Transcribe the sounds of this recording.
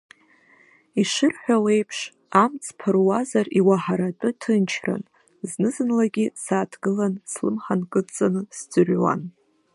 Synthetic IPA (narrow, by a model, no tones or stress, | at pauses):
iʂɨrħʷᶣawe̞jpʰʂ | amt͡sʰpʰɨrwazariwaħaɾatʼɨtʰɨnt͡ʃʰra̰n | znɨzɨnlaɡʲisaːtʰɡɨlanslɨmħankʼɨt͡sʼanɨsd͡zʷɨrwa̰n